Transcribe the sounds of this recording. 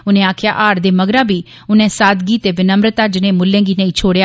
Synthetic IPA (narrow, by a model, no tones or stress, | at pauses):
ʊnẽːaːkʰja̰ːʔaːɾd̪eːməɡɾãːbiː | ʊnẽːsaːd̪ɡiːt̪eːʋɪnəmɾət̪aːd͡ʒɪnẽːmʊlːẽːŋɡiːnəĩːt͡ʃʰoːɽjaː